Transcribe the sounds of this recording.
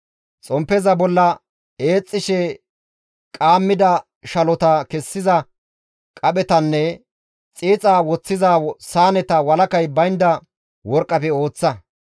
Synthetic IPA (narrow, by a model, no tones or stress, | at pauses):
t͡sʼɔmpːɛzɐbɔlːɐ | eːt͡sʼːɪʃɛ | kʼaːmːɪd̪ɐ | ʃɐlɔt̪ɐkɛsːɪzɐ | kʼɐɓɛt̪ɐnːɛ | t͡sʼiːt͡sʼaːwɔt͡sːɪzaːsaːnɛt̪ɐwɐlɐkɐjbɐjnd̪ɐ | wɔɾkʼːɐpɛo̞ːt͡sːɐ